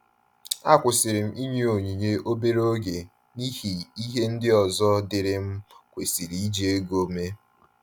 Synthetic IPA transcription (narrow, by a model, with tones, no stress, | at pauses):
a˦kʷʊ˨sɪ˨ɾɪ˨m̩˦˨ʔi˦ɲe˦o˨ɲi˨ɲe˦ʔo˦be˦ɾo˦ɡe˨ | ni˦hi˨i˦ɦe˦n̩˦dɪ˦ɔ˨zɔ˦dɪ˨ɾɪ˦m̩˦kʷe˨si˨ɾi˨i˦d͡ʒe˦e˦ɡo˦me˦